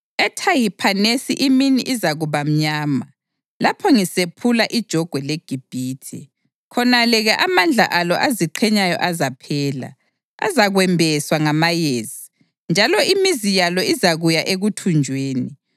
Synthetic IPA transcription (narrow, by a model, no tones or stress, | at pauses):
ɛtʰajipʰanesḭʔiminḭʔizaɣuβam̩ɲaːma | lapʰɔŋisepʰulaʔid̥ʒ̥ʱɔɡ̥ʱwɛleɡ̥ʱib̥ʱiːtʰḭ | kʰɔnalɛɣɛʔamand͡ɮʱa̰ʔalɔ̰ʔaziǃʰɛɲajɔ̰ʔazapʰɛːla̰ | a̰zaɣwɛmbʱɛswaŋamajeːzi | nd͡ʒʱalɔimizijalɔizaɣujaʔeɣutʰund͡ʒʱweːni